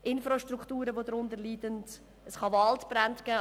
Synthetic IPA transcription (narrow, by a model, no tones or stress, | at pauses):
ʔɪnfɾɑʃtɾuktuːɾəvodɾʊndəliːdənt | əsχɑvɑltb̥ɾantɡ̥ɛː